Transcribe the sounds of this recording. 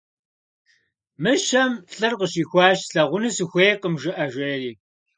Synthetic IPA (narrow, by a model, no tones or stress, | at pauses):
mɨʃɐmɬʼɨrqəʃiːxʷɑːʃɬɐʁʷʊnɨsɨxʷeːqəmʒɪʔɐʒʷeːriː